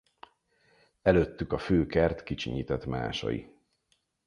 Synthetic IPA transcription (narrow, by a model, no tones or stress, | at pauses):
ɛløːt̪ːykɒføːkɛrt̪kit͡ʃiɲit̪ɛt̪ma̰ːʃɒ̰jḭ